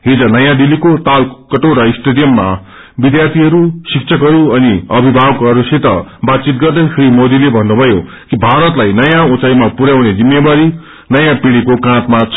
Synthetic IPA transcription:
ɦid͡zʌnʌjãd̪ilikot̪alkʌʈowɾʌisʈed̪ijʌmːa̰ | bid̪jart̪ʰiɦʌɾusik̚t͡sʰʌkɦʌɾuʌniʌbʱibʱabkɦʌɾuset̪ʌ̰bat̪̚t͡sit̪̚ɡʌrd̪ʌjkʰɾimod̪ilebʱʌnːubʱʌjo | kibʱaɾʌt̪lajnʌjãũt͡sajmapuɾjawned͡zimːebaɾi | nʌjãpiɽikokãt̪mat͡sʰ

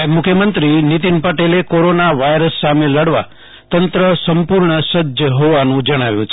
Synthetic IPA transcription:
mʊkʰjəmənt̪ɾinit̪inpəʈelekoɾonaʋajɾəsːameləɽʋa̰ | t̪ənt̪ɾəsəmpuɾɳəsəd͡ʒʱjəɦoʋanũd͡ʒəɽ̃aʋjṵ̃t͡ʃʰ

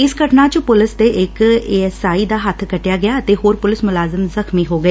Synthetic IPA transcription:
ɪsɡəʈnãːt͡ʃəpʊlɪst̪eːʔɪkeːɛsaːiːd̪aːɦət̪ʰkəʈjaːɡɪjaːət̪eːɦoːɾpʊlɪsmʊlaːzəmzəxmiːɦoːɡəeː

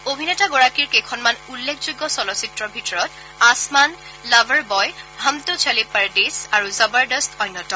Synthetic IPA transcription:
obʱinɛtaɡɔɹakiɹkejkʰɔnmanulːekʰzojɡːɔsɔlɔsitɹɔbʱitɔɹɔt | asman | labəɹbɔjɦamtɔt͡ʃʰalipaɹdisaɹuzabaɹdɔstʰɔjnːɔtɔ

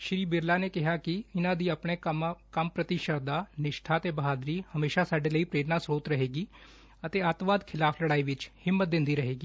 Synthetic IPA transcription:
ʃɾiːbɪɾlaːneːkɪɦaːkɪɪnãːd̪iːəpɳeːkəmpɾət̪iːʃəɾd̪aːnɪʃʈʰaːt̪eːbəɦaːd̪ɾiːhəmeːʃaːsaːɖeːləiːpɾeːɾnaːsɾoːt̪ɾəɦeːɡiː | ət̪eːət̪ʋaːd̪kʰɪlaːfʰləɽaːiːʋɪt͡ʃhɪmːət̪̚d̪ɪnd̪iːɾəɦeːɡiː

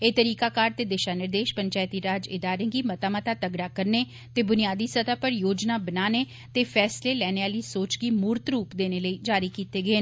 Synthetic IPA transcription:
eːt̪əɾiːkaːkaːɾt̪eːd̪eʃaːnɪɾd̪eːʃpəɲt͡ʃaːjt̪iːɾaːd͡ʒɪd̪aːɾẽːɡiːmət̪aːmət̪aːt̪əɡɾaːkəɾneː | t̪eːbʊnɪjaːd̪iːsət̪aːpəɾjoːd͡ʒnaːbənaːneː | t̪eːpʰɛːsleːlɛːneːaːliːsoːt͡ʃɡiːmuːɾt̪ɾuːpd̪eːneːləiːd͡ʒaːɾiːkiːt̪eːɡəeː

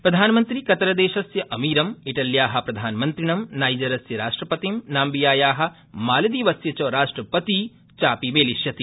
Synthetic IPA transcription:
pɾɐd̪ʱaːnɐmɐnt̪ɾikɐt̪ɐɾɐd̪eːʃɐsjɐʔɐmiːɾɐmiʈɐljaːɦɐ̆pɾɐd̪ʱaːnɐmɐnt̪ɾiɳɐmnaːjd͡ʒɐɾɐsjɐɾaːʂʈɾɐpɐt̪imnaːmbijaːjaːɦɐ̆ | maːlɐd̪iːʋɐsjɐt͡ʃɐːɾaːʂʈɾɐpɐt̪i | t͡ʃaːpimeːliʃjɐt̪i

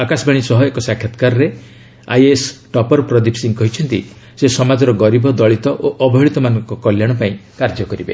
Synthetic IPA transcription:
akasbaɽ̃isɔɦɔekɔsakʰːjat̪kaɾɔɾe | a̰jesʈɔpɔɾpɾɔd̪ipʰsiŋkɔɦit͡ʃʰɔnt̪ḭ | sesɔmad͡ʒɔɾɔɡɔɾibɔd̪ɔɭit̪ɔʔoʔɔbɔɦiɭit̪ɔmanɔŋkɔkɔljaɽ̃ɔpaĩkaɾd͡ʒɔkɔɾibḛ

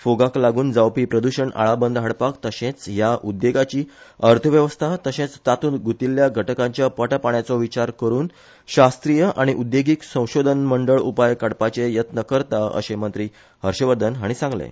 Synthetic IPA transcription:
foɡaklaɡuːnd͡zawpiːpɾəd̪uɕəɳa̰ɭabənd̪ʱɦaɽpakt̪əɕẽt͡sjaʔud̪ːeɡat͡ɕiːəɾt̪ʰəʋjəʋəst̪ʰat̪əɕẽt͡st̪at̪uːnɡut̪iljaɡʱəʈəkãɲt͡ɕjapəʈəpaɳjat͡sɔʋit͡ɕaɾkəɾuːn | ɕast̪ɾijəʔaɽ̃iʔud̪jeɡiːksə̃w̃ɕod̪ʱənməɳɖəɭupajkaɽpat͡ɕejət̪nəkəɾt̪aə̰ɕemənt̪ɾiː | ɦəɾɕəʋəɾd̪ʱənɦaɽ̃isãŋɡlḛ

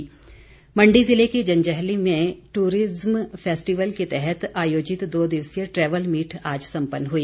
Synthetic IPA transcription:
mɐ̃ɳɖizɪlekid͡ʒɐ̃nd͡ʒɛɦlimẽʈuːɾɪzmpʰeːsʈiʋəlket̪ɛɦɛt̪aːjoːd͡ʒɪt̪d̪oːd̪ɪʋsjəʈɾɛːʋəlmiːʈʰaːd͡ʒsɐ̃mpənːɦuiː

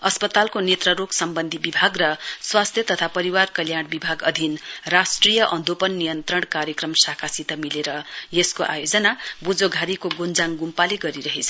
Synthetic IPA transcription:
ʌspʌt̪alkonet̪rʌɾoksʌmbʌnd̪ʱibibʱaɡrʌswast̪ʰjʌt̪ʌt̪ʰapʌɾiwarkʌljaɽ̃bibʱaɡʌd̪ʱinrasʈrijʌʔʌnd̪ʱopʌnːijʌnt̪rʌɽ̃kaɾjʌkrʌmsakʰasit̪ʌmileɾʌjeskoʔa̰jod͡zʌnabud͡zoɡʱaɾikoɡond͡zaŋɡumpaliɡʌɾiɾʌɦet͡sʰʌ

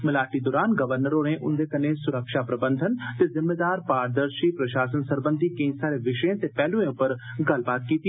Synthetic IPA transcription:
mɪlaːʈid̪oːɾaːnɡɐʋəɾnəɾoːɾẽʔʊ̰̃nd̪ʱekɐnesʊɾəkʃapɾɐbə̃nd̪ʱənt̪ezɪmːeːd̪aːɾpaːɾd̪əɾʃipɾɐʃaːsənsɐɾbə̃nd̪ʱikɐ̃ĩsaːɾeʋɪʃəjẽt̪epɛːlũẽʊpəɾɡɐlbaːt̪̚kiːt̪i

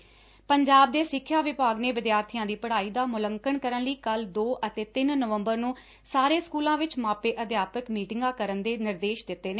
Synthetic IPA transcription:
pəɲd͡ʒaːb̚d̪eːsɪkʰːjaːʋɪpaːɡneːʋɪd̪jaːɾt̪ʰijãːd̪iːpəɽaːiːd̪aːmʊləŋkəɳkəɾənləiːkəld̪oːʔət̪eːt̪ɪnːəʋəmbəɾnũː | saːɾeːskuːlãːʋɪt͡ʃmaːpeːʔəd̪jaːpəkmiːʈɪŋɡãːkəɾənd̪eːnɪɾd̪eːʃd̪ɪt̪ːeːneː

